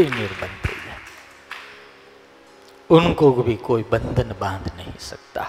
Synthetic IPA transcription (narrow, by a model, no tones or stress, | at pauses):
inɪɾbənd̪ɐ̰iɛ | ʊnkobʱikoːibə̃nd̪ʱənbãːnd̪nɐɦḭ̃sɐk̚t̪a̰ː